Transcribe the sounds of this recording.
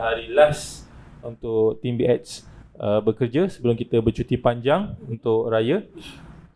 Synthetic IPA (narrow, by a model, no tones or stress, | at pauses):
ɦaɾilas | unt̪ʊʔt̪imbiʔɛt̪̚səbəkərd͡ʒəsəbəlʊmkit̪əbərt͡ʃut̪ipaɲd͡ʒaŋunt̪ʊʔrajə